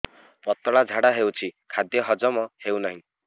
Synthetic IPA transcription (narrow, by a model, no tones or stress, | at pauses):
pʌt̪ːɔɭad͡zʱaɽaɦewt͡sʰikʰad̪jʌɦʌd͡zʌmʌhewnʌɦĩ